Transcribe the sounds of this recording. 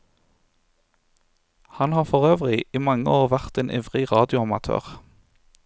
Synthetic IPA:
hɑnhɑːfɔʁøːʋʁɪiːmɑŋəoːʁʋæʁt̪eːnʔɛ̰ʋʁɪʁɑːd̪ɪʊɑmɑt̪ʰø̰ːʁ

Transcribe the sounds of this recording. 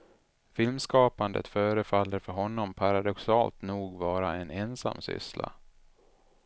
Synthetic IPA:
fɪlmskɑːpand̪ə̰t̪fœːɾəfalːəɾfœɾɦɔnːɔmpʰaɾad̪ɔksɑːlt̪nuːɡvɑːɾaɛnɛnsa̰mːsʏ̰sla̰

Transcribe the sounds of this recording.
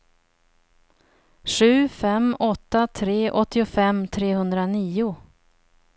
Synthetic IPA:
ɧʉ̟ːfɛmɔt̪ːat̪ʰɾeːʔɔt̪ːɪʊfɛmːt̪ʰɾeːhɵnd̪ɾaniːʊ

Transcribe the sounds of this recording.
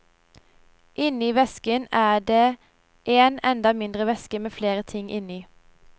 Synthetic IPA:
ʔɪniːʋɛskənæːɖ̪eː | ʔeːnɛnd̪ɑmɪnd̪ʁəʋɛskəmeːfleːʁət̪ʰɪŋʔɪniː

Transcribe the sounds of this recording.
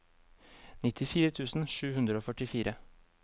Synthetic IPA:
nɪt̪ʰɪfiːɾət̪ʰʉːsn̩ʃʉːhʉnd̪ɾəoːfœʈɪfiːɾʔə

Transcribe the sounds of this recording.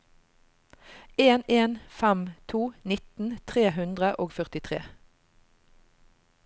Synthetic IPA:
eːneːnfɛmt̪ʰuːnɪt̪n̩t̪ʰʁeːhʉnd̪ʁəʔoːɡfœʁt̪ɪt̪ʰʁḛː

